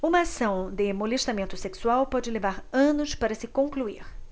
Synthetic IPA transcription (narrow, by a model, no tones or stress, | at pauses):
ũmɐːsɐ̃w̃d̪ɪmoleʃt̪amẽnt̪ʊseksuawpɔd͡ʒɪlevaɾɐ̃nʊspaɾɐsɪkõŋkluiɾ